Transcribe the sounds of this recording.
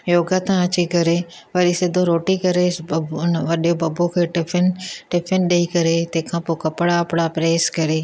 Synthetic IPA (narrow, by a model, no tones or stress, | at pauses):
joːɡat̪ãɐt͡ɕikɐɾe | pɐɾisɪd̪ʱõɾoːʈikɐɾenʋɐɗjobɐbokʰeːʈɪɪnʈɪpʰɪnɗeikɐɾet̪ɐ̃ɦkʰãːpoːkɐpɽaɐpɽapɾeːskɐɾeː